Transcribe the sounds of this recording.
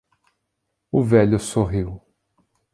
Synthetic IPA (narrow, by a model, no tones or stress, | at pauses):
ʊvɛʎʊsoɦiw